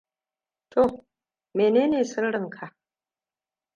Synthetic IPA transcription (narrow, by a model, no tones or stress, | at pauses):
tʰo | menenesɨlɾɨmkʰa